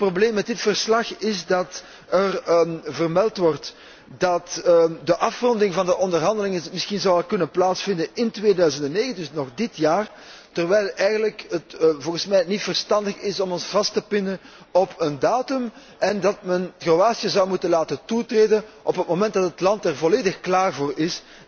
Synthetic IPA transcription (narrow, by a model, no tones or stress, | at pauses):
ətprobleːmːɛt̚dɪtfərslɑxɪzdɑt | ərvərmɛlˠtʋɔrt | dɑtdəʔɑfrɔndɪŋvɑndəʔɔndərɦɑndəlɪŋəmɪsxinzɑwɛlˠkɵnənplaːtsfɪndənɪntʋeːdœɥzəndɛnːeːɣəndɵsnɔxdɪtjaːr | tərʋɛjlˠɛjɣənləkətvɔlˠɣənsmɛjtnitfərstɑndəxɪsɔmɔnsv̥ɑstəpɪndən | ɔpʰəndaːtʏm | ʔɛndɑtmɛnɣroaːsjəzɑwmutənlaːtəntutreːdənʔɔpət̚momɛnt̚dɑtətlɑntɛrvɔleːdəxklaːrvoːrɪs